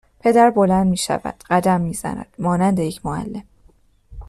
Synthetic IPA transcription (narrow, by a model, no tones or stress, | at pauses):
pʰe̞d̪æɾbo̞lænd̪miːʃæ̰væ̰d̪̥ɢæd̪æmːiːz̥æ̰næ̰d̪̥mɒːnænd̪ejecʰmoæ̰lːe̞m